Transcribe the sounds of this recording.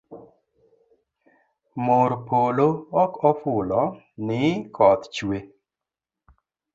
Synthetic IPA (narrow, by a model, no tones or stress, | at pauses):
moɾpoloɔkɔfʊlɔ | nɪkʰɔt̪t͡ʃwe